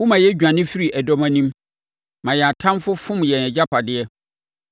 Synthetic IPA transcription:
wʊ˦mã˨jɛ˦d͡ʑᶣã˨nɪ̃˦fi˦ɾi˨ʔɛ˨dɔ˦mã˦nĩ˦m | mã˨jɛ˨a˨tʰã˦mfʊ˦fʊ̃˦m˨jɛ˨nɛ˨d͡ʑa˦pʰa˨dɪ˨ɛ˦

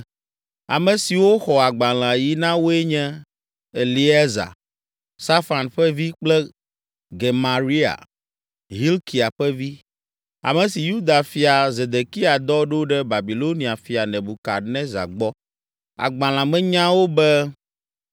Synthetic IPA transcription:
a̰˨mɛ̃˨si˨wo˦xɔ˨a˨ɡ͡ba˨l̃ã˨ji˦nã˦wo˦ɛ˦ɲɛ̃˦ | e˨li˦ɛ˦za̰˨ | sa˦fa˨nɸɛ˦vi˦k͡plɛ˦ | ɡe˨mã˨ɾi˦a̰˨ | ɦi˦lki˨a˨ɸɛ˦vi˦ | a̰˨mɛ̃˨si˨ju˦d̪a˨fi˨a˨ze˨d̪e˨ki˦a˨d̪ɔ˦ɖo˦ɖɛ˦ba˨bi˨lo˦ni˨a˨fi˨a˨nɛ̃˨bu˨ka˨nɛ̃˦za̰˨ɡ͡bɔ˦ | a̰˨ɡ͡bã˨l̃ã˨mɛ̃˦ɲã˦wo˦bɛ˦

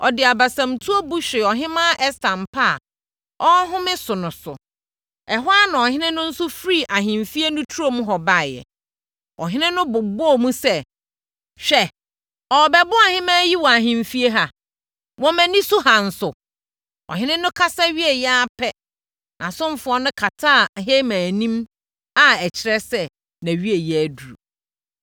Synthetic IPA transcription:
ɔ̰˨dɪ˨a˨ba˨sã˨mtʰu˦o˦bu˦ɕᶣɪ˨ɔ˨ɦɪ̃˦mã˦ʔɛ˦stʰã˨m˨pʰa˦a̰˨ | ɔ˦ɦʊ̃˦mɪ̃˦sʊ˨nʊ̃˨sʊ̰˨ | ɛ˨ɦʊ˦a˦nã˨ɔ˨hɪ̃˦nɪ̃˦nʊ̃˦n̩˦sʊ˦fɾi˦˨ʔa˨ɦɪ̃˨m˨fi˦e˦nʊ̃˦tʰu˦o˦mũ˦ɦɔ˨ba˦˨jɛ̰˨ | ɔ̰˨ɦɪ̃˦nɪ̃˦nʊ̃˦bʊ˨bʊ˦ɔ˦˨mũ˦sɛ˦ | ɕᶣɛ˨ | ɔ˨bɛ˨bʊ˦a˨hɪ̃˦mãː˦ji˦wɔ˨a˨ɦɪ̃˨m˨fi˦e˦ɦa˨ | wɔ̃˦mæ̃˨nĩ˦sʊ˦hã˨n̩˨sʊ˨ | ɔ̰˨ɦɪ̃˦nɪ̃˦nʊ̃˦kʰa˦sa˦ɥi˦e˨jɛ˦a˦pʰɛ˦ | nʔã˨sʊ̃˦m˨fʊ˨ɔ˦nʊ̃˦kʰa˨tʰa˦˨ɦe˦mãː˨nĩ˦m | a˦ɛ˨t͡ɕʰɪ˨ɾɛ˦sɛ˦ | næ̃˨ɥi˦e˨jɛ˨æ˨du˨ɾṵ˨

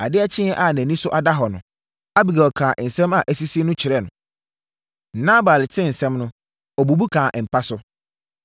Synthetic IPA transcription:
a̰˨dɪ˦ɛ˦t͡ɕʰɪ̃˦ɛ˦ʔa˦˨næ̃˨nĩ˦sʊ˦ʔa˨da˦ɦɔ˨nʊ̃˨ | a˦bi˨ɡa˨ɔ˨kʰãː˨n̩˨sɛ̃˦ma˨ʔæ˨si˦si˦nʊ̃˦t͡ɕʰɪ˨ɾɛ˦˨nʊ̰̃˨ | n̩˨˦nã˦baː˨lɪ˨tʰɪ̃˦˨n̩˨sɛ̃˦mnʊ̃˦ | ɔ˨bu˨bu˦kʰãː˨ʔm̩˨pʰa˦sʊ˦

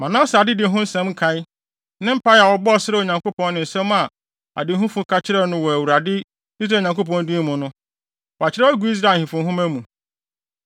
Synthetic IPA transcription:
mã˨nã˦sa˨dɪ˦dɪ˨˦ɦʊ̃˦n̩˦sɛ̃˦m˦kʰã˨ɪ˦ | nɪ̃˦m̩˦pa˦ja˨wɔ˨˦bɔ˦ɔ˨sɪ˦ɾɛ˦˨o˨ɲã˨ŋko˦pʰɔ̃˦nːɪ̃˨n̩˨sɛ̃˦m˦a˨ | a̰˨dɪ˨˦ɦũ˦fʊ̃˦kʰa˦t͡ɕʰɪ˦ɾɛ˦nʊ̃˦wɔ˨æ˨wu˨ɾa˨dɪ˦ | i˦s̬ɾaː˨ɲã˨ŋko˦pɔ̃˦ndĩ˦mʊ̃˨nʊ̃˦ | wa˨t͡ɕʰɪ˦ɾɛ˦æ˦ɡʷu˦i˦s̬ɾa˨˦˨hĩ˨fʊ̃˨˦ɦʊ̃˦mæ˦mũ˨

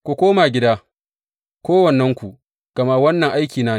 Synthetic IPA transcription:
kʷu˨kʷoː˦maː˨ɡʲɪ˦daː˦ | kʷoː˦wɐ˨nːɐ˦ŋkʷu˨ | ɡ̥ɐ˨ma˦wɐ˦nːɐ˨ŋʔa˦jkʲiː˨naː˦

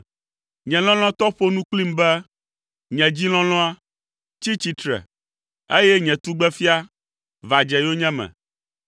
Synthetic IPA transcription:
ɲɛ̃˨lɔ̃˦l̃ɔ̃˦t̪ɔ˦ɸo˦nũ˦k͡pli˦mbɛ˦ | ɲɛ̃˨d͡ʑi˦l̃ɔ̃˦l̃ɔ̃˦a˦ | t͡ɕi˦t͡ɕi˦t̪ɾɛ̰˨ | e˦jɛ˦ɲɛ̃˨t̪u˦ɡ͡bɛ˦fi˦a˦ | va˨d͡ʒɛ˨jo˦ɲɛ̃˦mɛ̰̃˨

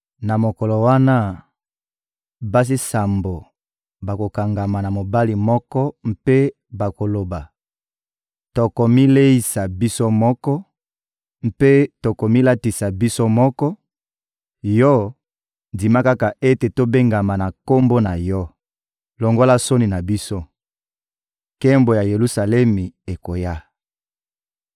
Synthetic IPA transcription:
na˨mo˨kɔ˨lɔ˨wa˦na˦ | ba˦s̬i˦sa˨mbo˨ | ba˨ko˨ka˨ŋɡa˨ma˨na˨mo˨ba˦li˨mɔ˦kɔ˦m̩˦pe˦ | ba˨ko˨lo˨ba˨ | to˨ko˨mi˦le˦i˨sa˨bi˦so˦mɔ˦kɔ˦ | m̩˦pe˦to˨ko˨mi˦la˦ti˨sa˨bi˦so˦mɔ˦kɔ˦ | jɔ˦ | ndi˨ma˦ka˦ka˨ʔe˦te˨to˦be˦ŋɡa˨ma˨na˨ko˦mbo˦na˨jɔ˦ | lo˨ŋɡo˦la˦so˦ni˨na˨bi˦so˦ | kɛ˦mbo˨ja˨je˨lu˦sa˨lɛ˦mi˨e˨ko˨ja˦

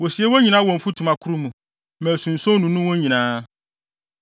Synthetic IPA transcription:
wo˨si˨ɛ˦wo˦ɲĩ˨nã˦wɔ̃˨m̩˨fu˦tʰu˨mã˨kʰu˦ɾu˦mũ˨ | mɛ̃˨sũ˨n̩˨sɔ̃˦nũ˨nũ˦wɔ̃˦ɲĩ˨nãː˦

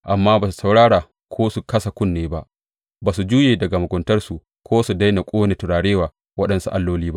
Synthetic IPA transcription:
ʔa˨mːaː˦baː˨s̬u̥˨sa˨wɽaː˦ɽaː˨ | kʰʷoː˦su˨kɐ˦sa˨kʷʊ˦nːeː˦ba˦ʔ | baː˨su˨d͡ʒuː˦jeː˨dɐ˨ɡa˨mʊ˨ɡʷʊ˨ntɐ˦rsu˨ | kʷoː˦su˨da˦jna˨kʷʼoː˦ne˨tʊ˨ɽaː˨ɽeː˦waː˨ | wɐ˦ɗɐ˨nsu˦ʔa˦lːoː˦liː˦ba˦ʔ

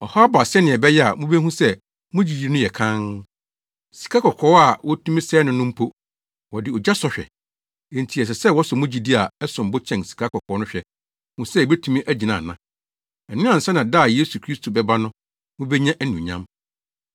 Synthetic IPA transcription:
ɔ˨hɔ˦a˦ba˨sɛ˦nɪ̃˨ɛ˨bɛ˦jɛ˦a˨mũ˦be˦ɦũ˦sɛ˦ | mʊ̃˦d͡ʑi˨di˦nʊ̃˦jɛ˨kʰã˦n | si̥˨kʰa˦kʰɔ˨kʰɔː˨˦a˨wɔ˦tʰũ˦mĩ˦sɛː˦nʊ̃˨nʊ̃˦m̩˦pʰo˦ | wɔ˨dɪ˨ɔ˨d͡ʑa˦sɔ˦ɕᶣɛ̰˨ | e˨n˨tʰi˨ɛ˨s̬ɛ˨sɛ˦˨wɔ˦sɔ˨mʊ̃˦d͡ʑi˨di˦a˨ɛ˦sʊ̃˨m˨bʊ˦t͡ɕʰɛ̃˨nsi̥˨kʰa˦kʰɔ˨kʰɔː˨˦nʊ̃˦ɕᶣɛ˨ | hũ˦sɛ˦˨be˦tʰũ˦mĩ˦ʔæ˦d͡ʑi˨nã˨nːã˦ | ɛ˨nɪ̃˦ã˨n̩˨sɛ˦nã˨da˦˨je˦su˨kʰɾi˦stʰo˨bɛ˦ba˦nʊ̃˦ | mʊ̃˦bɛ˦ɲã˦ʔnũ˨ɲã˦m

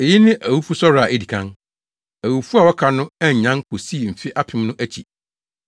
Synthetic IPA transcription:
e˨ji˦nɪ̃˦ʔæ˨wu˦fu˦sɔ˦ɾa˨a˨ʔe˦di˨kʰã˦n | æ˨wu˨fu˦a˨wɔ˦kʰa˨nʊ̃˦ɛ˦ɲ̩˨ɲã˦ŋkʰo˨si˦˨m̩˨fɪ˦ʔa˦pʰɪ̃˦mnʊ̃˦ʔæ˦t͡ɕʰi˨

